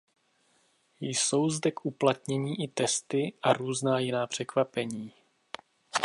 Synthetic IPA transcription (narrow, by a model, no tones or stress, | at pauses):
jso̞wzdɛkʔuplat̪ɲɛɲiːʔɪt̪ɛst̪ɪʔaɾuːznaːjɪnaːpr̝̥ɛkvapɛɲiː